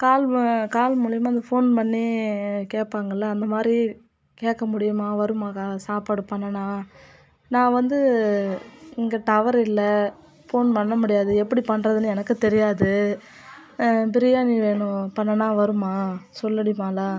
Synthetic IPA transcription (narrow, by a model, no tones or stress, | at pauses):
kaːlkaːlmʊɭɐjɐmaːɪnd̪ɐfoːnpɐɳnːikeːʈ̚pːaːŋɡɐlːaːnd̪ɐmaːd̪ɾi | keːʈkːɐmʊɽɪjɯmaːʋɐɾɯmaːkaːðsaːpaːɽɯpɐɳːɐnaː | nãːʋɐnd̪ɯ | ɪŋɡɐt̪ɐʋɐɾɪlːɐ | foːnpɐɳːɐmʊɽɪjaːðɯɛpːɐɽipɐnːɾɐðɯnɯɛnɐkːɯt̪ɛɾɪjaːðɯ | pɪɾɪjaːniʋeːɳʊ̃pɐɳːɐnãːʋɐɾɯmaːsɔlːɐɽimaːlaː